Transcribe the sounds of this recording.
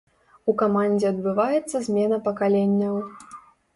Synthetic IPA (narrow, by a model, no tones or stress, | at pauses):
ukamanʲd͡zʲɛɐd̪̚bɨvajɛt̪sːɐzʲmʲɛnɐpɐkalʲenʲːɐw